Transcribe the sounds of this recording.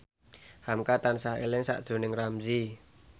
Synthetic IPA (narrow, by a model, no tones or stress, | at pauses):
hamkat̪ansaɦḛlɪŋsa̰ʔd̥ʒ̥o̤nɪŋramzi